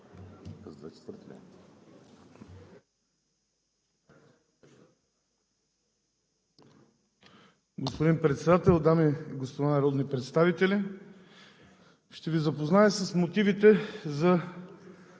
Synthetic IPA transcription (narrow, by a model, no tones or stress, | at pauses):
ɡospod̪inpɾɛt̪sɛd̪at̪ɛlˠd̪amiɡospod̪anɐɾɔd̪nipɾɛt̪st̪avit̪ɛlʲi | ʃt̪ɛvizɐpoznaɛsəsmot̪ivit̪ɛzɐ